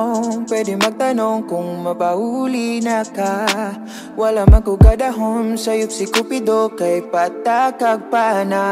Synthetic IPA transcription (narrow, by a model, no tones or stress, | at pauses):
pwɛd̪ɪmaɡ̚t̪anoŋkʊŋmapahulinaka | walamakʊɡad̪aɦɔnsajʊp̚sɪkʊpɪd̪okajpat̪akaɡ̚paʔna